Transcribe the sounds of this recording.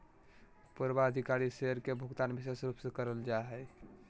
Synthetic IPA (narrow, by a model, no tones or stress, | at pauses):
puɾbaəd̪ʱikaɾiseəɾkebʱuɡt̪anbisesɾupsẽkəɾəld͡ʒaɦɛ